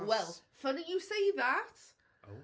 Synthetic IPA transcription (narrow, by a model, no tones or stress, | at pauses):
wɛlˠfʌnijəseɪðat